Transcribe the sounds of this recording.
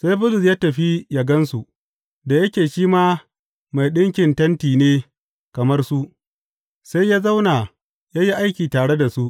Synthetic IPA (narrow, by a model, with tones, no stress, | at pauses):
sa˦jbʊ˦zʊ˨sjaː˦tɐ˨ɸi˦ja˨ɡɐ˦nsu˨ | da˨jɐ˦kʲeː˨ʃiː˦maː˦ | ma˨jɗɪ˦ŋkʲɪ˨ntɐ˦ntiː˨neː˦ | kɐ˨mɐ˦rsu˦ʔ | sa˦jjaː˦za˦wna˨ | jaː˦ji˦ʔa˦jkʲiː˨taː˨ɽe˦da˨su˦ʔ